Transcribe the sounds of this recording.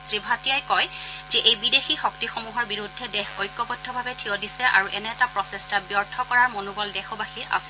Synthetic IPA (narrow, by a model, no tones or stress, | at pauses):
sɹibʱatijajkɔjzɛʔejbidexixɔk̚tixomuɦɔɹbiɹudʱːɛdɛxojkːɔpɔtʰːɔbʱabɛtʰiɔdisɛʔa̰ɹuʔɛnɛtapɹɔsɛstabjɔɹtʰɔkɔɹaɹmonuɡɔldɛxɔbaxiʔa̰sɛ̥